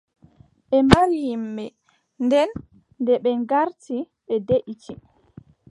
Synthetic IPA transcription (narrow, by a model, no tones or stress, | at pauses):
ɓɛmaɾijimːɛ | ndɛnː | dɛɓɛɡaɾti | ɓɛdeʔitʰi